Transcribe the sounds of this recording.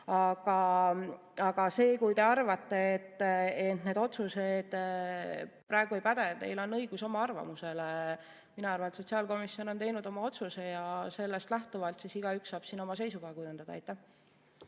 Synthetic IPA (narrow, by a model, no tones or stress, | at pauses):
ɑɡ̥ɑ | ɑɡ̥ɑse̞ːkujt̪e̞ɑrvɑt̪ːe̞ːt̪ːet̪ne̞ːd̪o̞t̪sused̪̥ | prɑeɡ̥uejpæd̪et̪e̞̰jlo̞nːɤ̞jɡ̥uso̞mɑɑrvɑ̰muse̞le | minɑɑrvɑnet̪so̞t̪ʲsiɑlko̞misio̞no̞nt̪e̞jnud̪̥o̞mɑo̞t̪suse̞jɑse̞lːe̞st̪læht̪uvɑlt̪sisiɡ̥ɑyksːɑːb̥siːno̞mɑse̞jsuɡ̥ɑekujund̪̥ɑd̪̥ɑ̰ɑjt̪ːˑæh